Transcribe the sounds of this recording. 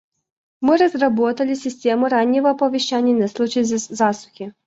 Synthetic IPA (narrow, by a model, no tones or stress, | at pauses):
mɨɾɐzrabɔt̪ɐlʲisʲɪsʲtʲɛmʊɾanʲːɛvɔpɔʋʲɛʃt͡ʃanʲːɐnɐslˠut͡ʃɐjzasʊ̥xʲi